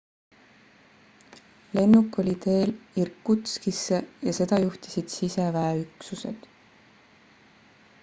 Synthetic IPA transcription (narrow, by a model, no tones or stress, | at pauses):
le̞nːukːˑo̞lʲit̪e̞ːlirkːut̪skisːe̞jɑse̞d̪̥ɑjuht̪i̥sid̪̥sisevæeyksuse̞̰d̪̥